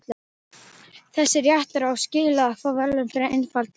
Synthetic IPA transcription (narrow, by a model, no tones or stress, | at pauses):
l | θɛsːɪɾjaht̪aɾawscɪːlaːfɔːvɛlːʏmfɪɾaʔejnfalt̪